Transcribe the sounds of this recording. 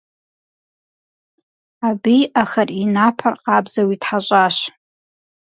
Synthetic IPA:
abiʔaxarinapʰarqʼabzawitʰħaɕʷʼaʃʷ

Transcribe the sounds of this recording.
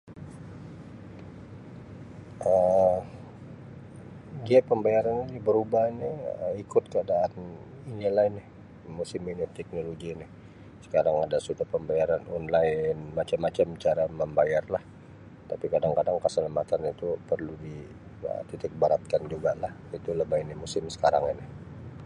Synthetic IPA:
ə | ɡiaʔpəmbajaɾaninibəɾubahiniəikʊt̪̚kəadaːn | inilaɪnɪh | musɪminɪt̪ɛk̚noloɡinɪh | sə̥kaɾaŋadasut̪apəmbajaɾanonlaɪnmat͡ʃamːat͡ʃamt͡ʃaɾaməmbajarlah | t̪apikadaŋkadaŋkasələmat̪anit̪upərludi | ə̰t̪it̪ɪk̚baɾat̪̚kand͡ʒuɡalahit̪uləbainɪmusɪmsə̥kaɾa̰ŋinɪh

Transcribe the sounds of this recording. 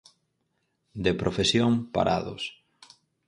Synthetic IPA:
d̪epɾʔofesjoŋpa̰ɾʔa̰ðʊ̰s

